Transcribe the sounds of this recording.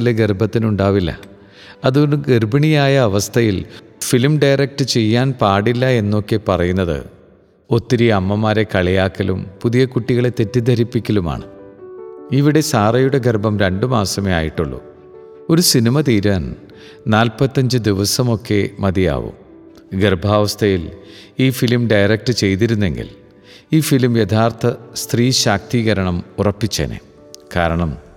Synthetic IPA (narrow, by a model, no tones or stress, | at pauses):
ileɡerbʱɐt̪ːinuɳɖaːʋilːɐ̰ | ɐðuoɳɨɡerbɐɳijaːjɐːʋɐst̪ʰɐjil | filmɖɐjrɐk̚ʈɨt͡ɕe̞jːaːnpaːɽilːɐe̞nːo̞kːe̞pɐrɐjunːɐðɨ̰ | o̞t̪ːiɾiɐmːɐmaːɾe̞kɐɭijaːkːɐlṵmpuðijɐkuʈːiɣɐɭe̞t̪e̞tːid̪ɐɾipːikʲːɐluma̰ːɳɨ̰ | iʋiɽe̞saːrɐjuɽe̞ɡerbʱɐmɾeɳɖɨmaːsɐmea̰ːjiʈːuɭːṵ | oɾusinimɐt̪iːɾɐːn | naːlpɐt̪ːɐɲd͡ʑɨd̪iʋɐsɐmo̞kːe̞mɐd̪ija̰ːʋṵ | ɡerbʱaːʋɐst̪ʰɐjiliːfilmɖɐjrɐk̚ʈɨt͡ɕe̞jt̪̬iɾunːe̞ŋɡḭl | iːfilmjed̪ʱʰaːrt̪ʰɐst̪riːɕaːk̚t̪iːɣɐɾɐɳɐmurɐpːit͡ɕːɐ̰nḛ | ka̰ːɾɐɳɐm